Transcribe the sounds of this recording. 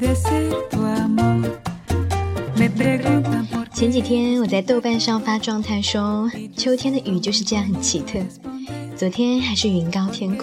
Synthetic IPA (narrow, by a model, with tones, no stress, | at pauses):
t͡ɕʰjɛ˧˥nt͡ɕi˨˩t̪ʰjɛ˥nwɔ˨˩t͡sa˥˧ɪt̪o˥˧ʊpa˥˧nʂɑ˥˧ŋfa˥ʈ͡ʂwɑ˥˧ŋt̪ʰa˥˩ɪʂwɔ˥t͡ɕʰjo˥ʊt̪ʰjɛ˥nd̪ə˨ʔy˨˩t͡ɕjo˥˧ʊʂɻ̩˥˧ʈ͡ʂɤ˥˧jɑ˥˩ŋxə˨˩nt͡ɕʰi˧˥t̪ʰɤ˥˩t͡swɔ˧˥t̪ʰjɛ˥nxa˨˧˥ɪʂɻ̩˥˩y˧˥nkɑ˥ʊt̪ʰjɛ˥nkʰ